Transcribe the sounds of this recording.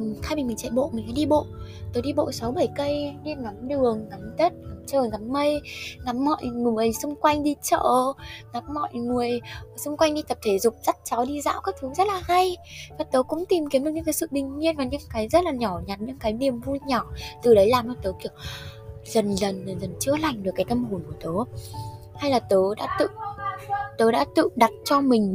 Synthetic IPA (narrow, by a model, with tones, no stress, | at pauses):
xaː˧mi˨˩mi˨˩ŋt͡ɕɛ̰˧˨ɓo̰˧˨mï˨˩ŋ̟ka̰˧˥˦ɗi˧ɓo̰˧˨tt̪oː˨˦jɗi˧ɓo̰˧˨sa˨˦wɓə˧˩jkə˧jne˧ŋa˨˦mɗɨ˨˩əŋːa˨˦mzə˦˥t̚ŋa˨˦mt͡ɕəː˨˩ŋa˨˦mːə˧jŋa˨˦mːɔ̰˧˨jʔŋɨ˨˩mə˨˩jsʊ˧ŋ͡mkwa˧jŋ̟ɗi˧t͡ɕə̰ː˧˨ŋa˨˦mːɔ̰˧˨jŋu˨˩əjsʊ˧ŋ͡mkwa˧jŋ̟ɗi˧t̪ə˨˩p̚t̪ʰe˧˩zʊ˨˩k͡p̚za˦˥t̚t͡ɕa˨˦wɗi˧za̰ː˧˥wkaː˦˥k̚t̪ʰɨ˨˦zə˦˥t̚laː˨˩ha˧jvaː˨˩t̪əː˨˦jkʊ̰˧˥ŋ͡mt̪i˨˩mki˨˦nɗɨ˨˩ɨ̰˧˥kːaː˨˦sɨ̰˧˨ɗï˨˩ŋ̟mi˧ənvaː˨˩ɲɨ̰˧˥ŋkaː˨˦jzə˦˥t̚laː˨˩ɲɔ˧˩ɲa˨˩t̚ɲɨ̰˧˥ŋkaː˨˦jni˨˩əmvu˧jɲɔ˧˩t̪ɨ˨˩ɗə˨˦jlaː˨˩mt͡ɕɔ˨˩t̪oː˨˦ki˧˩əwzə˨˩nlə˨˩n˨˩zə˨˩nt͡ɕɨ˧˥əla˨˩jŋ̟ɗɨ˨˩kːaː˨˦jt̪ə˧mhu˨˩nku˧˩ət̪əː˨˦ | ha˧jlaː˨˩t̪əː˨˦ɗa̰ː˧˥t̪ɨ̰˧˨ | t̪əː˨˦ɗa̰ː˧˥t̪ɨ̰˧˨ɗa˨˩t̚t͡ɕɔ˧mï˨˩ŋ̟